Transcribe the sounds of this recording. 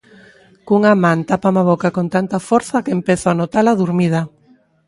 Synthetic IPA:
kuŋamãnt̪apamaβɔkakont̪ant̪afɔɾθɐkeempeθoanot̪alaðuɾmið̞ɐ

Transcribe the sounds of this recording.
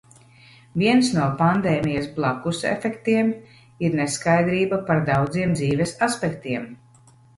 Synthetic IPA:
viɛnsnuɔpand̪ɛːmijasblˠakusɛ̰fɛkt̪iɛm | iɾneskajd̪ɾiːbapaɾd̪awd̪ziɛmd̪ziːvɛsaspɛkt̪iɛm

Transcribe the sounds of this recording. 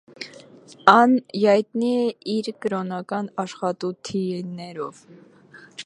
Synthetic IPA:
ɑnjɑjt̪niɛiɾkəɾɔnɑkɑnɑʃχɑt̪ut̪ʰinɛɾɔv

